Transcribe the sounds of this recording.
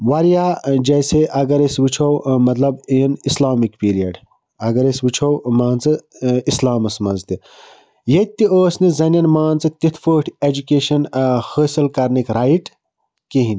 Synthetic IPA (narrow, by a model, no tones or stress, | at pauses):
wɐɾijad͡ʒɐjseʔɐɡɐɾesbɨt͡ʃʰowmɐt̪lɐbijnislaːmikpiːɾijɐɖ | ɐɡɐɾesbɨt͡ʃʰowmaːnt͡sɨislaːmɐsmɐnzt̪i | jɐt̪ːioːsnizɐnjɐnmaːnt͡sɨt̪it̪ʰfəːʈʰed͡ʒukeːʃɐnhəːsilkɐɾnikɾaːjiʈ | kiɦin